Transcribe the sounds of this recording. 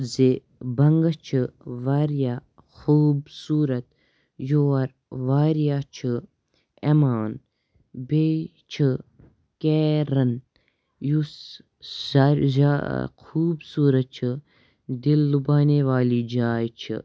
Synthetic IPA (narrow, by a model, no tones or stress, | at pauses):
ze | bɐŋɡɐt͡ʃʰɨʋaːɾjaː | xuːbsuːɾɐt̪ | joɐɾ | ʋaːɾjaːt͡ʃʰɨ | emaːn | beː | t͡ʃʰɨ | keːɾɐn | jus | aɾza̰xʰuːbsuːɾɐt̪̚t͡ʃʰɨ | d̪ilːubaːneʋaːliːd͡ʒaːjt͡ʃʰḭ